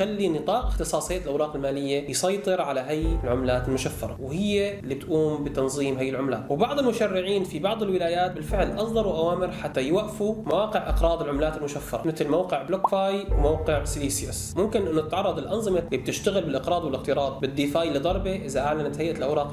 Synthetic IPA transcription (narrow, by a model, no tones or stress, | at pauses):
xalːinɨt̪ˤɑːqɪxt̪ɨsˤɑːsˤhɪjːʔlʔawɾɑːqɪlmaːlɪjːajsˤɑjt̪ˤɨɾʕalaɦajːɪlʕʊmlaːt̪ɪlmʊʃafːɑɾˤɑ̰whɪjːelːibɪt̪ʔuːmbɪt̪ɑnzˤiːmhajːɪlʕʊmla̰ːt̪wɪbɑʕd̪ˤɪlmʊʃarːɪʕiːnfibɑʕd̪ˤɪlwɪlaːjaːt̪̚bɪlfɪʕlʔɑsˤd̪ˤɑɾˤuwʔawaːmɪɾħat̪ːajwaʔfumawaːqɪʕʔɪqɾˤɑːd̪ˤɪlʕʊmlaːt̪ɪlmʊʃafːɑɾˤɑ̰mɪt̪lmawqɪʕblokfaːjwmawqɪʕsliːsasmʊmkɪnʔɪnːʊt̪ɪt̪ʕɑrˤːɑd̪ˤɪlʔɑnzˤɨmalːib̚t̪ɪʃt̪aɣɪlbɪlʔɪqɾˤɑːd̪wɪlɪxt̪ɨɾˤɑːd̪̚ˤbɪd̪ːiːfaːjlɪd̪ˤɑɾˤbeʔɪzaʔaʕlanat̪hajʔalʔawɾˤɑːq